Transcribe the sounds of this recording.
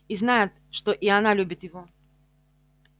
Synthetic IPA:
iznajɪt̪ʂt̪oʔianalʲubʲɪt̪jɪvo

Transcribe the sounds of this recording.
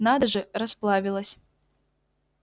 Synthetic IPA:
nad̪ɐʐɨrɐsplˠavʲilˠɐsʲ

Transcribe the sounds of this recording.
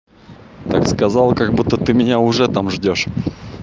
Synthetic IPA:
t̪a̰kskɐzɑlˠkɐɡbut̪ːət̪ɨmʲɪnʲaʊʐɛt̪amʐdʲoʂ

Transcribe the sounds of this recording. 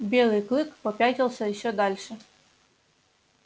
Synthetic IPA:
bʲelˠɨjklˠɨkpɔpʲatʲɪlˠsʲəjɪɕːɔd̪alʲʂə

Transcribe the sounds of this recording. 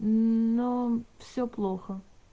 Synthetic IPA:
nofsʲoplˠoxə

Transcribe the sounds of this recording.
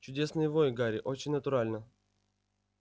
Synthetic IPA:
t͡ɕʊdʲesnɨjəvojɡaɾʲɪʔot͡ɕɪnʲnət̪ʊɾalʲnə

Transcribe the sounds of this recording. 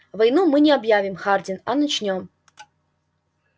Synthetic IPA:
vɐjnumɨnʲɪɐbjavʲɪmxardʲɪnɐnɐt͡ɕnʲom

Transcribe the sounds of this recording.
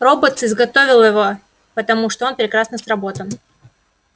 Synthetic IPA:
ro̞bət̪sɨzɡɐt̪o̞vʲɪlˠjɪvo̞ | pət̪ɐmuʂt̪oo̞npɾʲɪkɾasnəsrɐbo̞t̪əm

